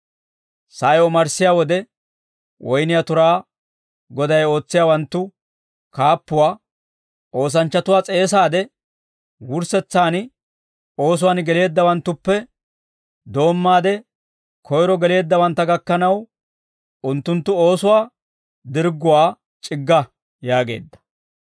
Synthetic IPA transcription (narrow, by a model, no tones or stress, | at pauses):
sɐjɔmɐɾsɪjaːwɔd̪ɛ | wɔjnɪjat̪ʊɾaː | ɡɔd̪ɐjo̞ːt͡sːɪjaːwɐnt̪ːʊ | kaːpːʊwaː | ʔo̞ːs̬ɐnt͡ʃːɐt̪ʊwaːt͡sʼe̞ːs̬aːd̪ɛ | wʊɾsɛt͡sːaːn | o̞ːs̬ʊwaːnɡɛle̞ːd̪ːɐwɐnt̪ːʊpːɛ | d̪o̞ːmːaːd̪ɛ | kʰɔjɾɔɡɛle̞ːd̪ːɐwɐnt̪ːɐɡɐkːɐnɐw | ʊnt̪ːʊnt̪ːʊoːsʊwaː | d̪ɪɾɡʊwaː | t͡ʃʼɪɡːɐ | jaːɡe̞̰ːd̪ːɐ̥